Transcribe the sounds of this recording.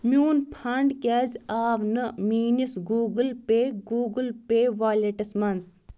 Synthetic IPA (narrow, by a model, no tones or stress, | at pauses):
mʲuːnpʰɐɳɖkʲaːzʲaːʋnɨmiːnisɡuːɡɨlpeːɡuːɡɨlpeːʋaːleʈɐsmɐnz